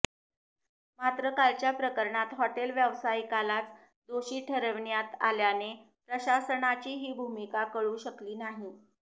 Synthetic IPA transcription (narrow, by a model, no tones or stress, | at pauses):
mat̪ɾəkalt͡ɕjapɾəkəɾɳat̪ɦɔʈelʋjəʋsaikalat͡s | d̪oɕiːʈʰəɾəʋɳjat̪a̰ljane | pɾəɕasəɳat͡ɕiːɦiːbʱumikakəɭuːɕəkliːnaɦi